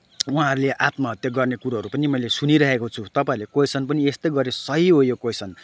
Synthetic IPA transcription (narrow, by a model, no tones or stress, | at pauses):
uɦãɦʌɾuleʔat̪mʌɦʌt̪jʌɡʌrnekuɾaɦʌɾupʌnimʌjlesuniɾʌɦekot͡sʰut̪ʌpãĩlekojsʰʌnpʌniest̪ʌjɡʌɾesʌɦiɦojokojsʌn